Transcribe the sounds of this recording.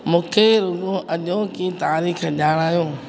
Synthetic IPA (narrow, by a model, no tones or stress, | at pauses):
mũːkʰeɾʊɡõʔɐʄõkit̪aːɾiːxʄaːɽ̃aːijõː